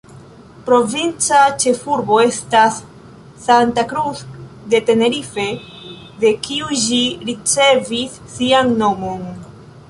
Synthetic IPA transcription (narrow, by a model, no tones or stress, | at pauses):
pɾo̞vint͡sat͡ʃe̞fuɾbo̞e̞stasː | antakɾus | de̞te̞ne̞ɾife̞ | de̞kiuʃiɾit͡se̞visːianno̞mo̞n